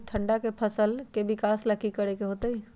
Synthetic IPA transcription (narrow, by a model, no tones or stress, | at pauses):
ʈʰəɳɖakepʰəsəlkebikasləkikəɾekeɦot̪əj